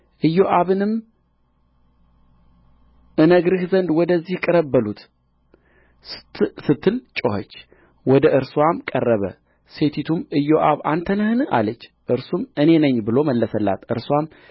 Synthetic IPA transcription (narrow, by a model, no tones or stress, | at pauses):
ʔɨjːoʔaβɨnɨm | ʔɨnəɡɾɨhzənd̪wɔd̪əzːihkʼɨɾəbːəlut̪ | sɨt̪ʰːɨlt͡ʃʼːohət͡ʃː | wɔd̪əʔɨɾswamkʼərːəβə̰ | se̞t̪ʰit̪ʰumɨjːoʔaβant̪ʰənəhɨnɨa̰lət͡ʃː | ʔɨɾsumɨne̞nəɲːbɨlo̞məlːəsəlːa̰t̪ʔɨɾswam